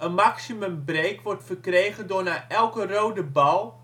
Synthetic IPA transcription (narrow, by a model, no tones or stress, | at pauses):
ənmaksimɵmbreːkʋɔrtfərkreːɣəndʊnaʔɛlˠkərowdəbɔlˠ